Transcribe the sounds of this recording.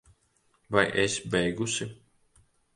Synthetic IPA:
vajʔesbɛjɡusʲi

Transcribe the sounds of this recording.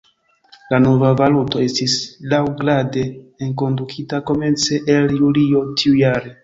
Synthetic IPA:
lano̞vavaluto̞e̞stislawɡɾade̞ːnko̞ndukʰitako̞me̞nt͡se̞ʔeljulio̞tiujaɾe

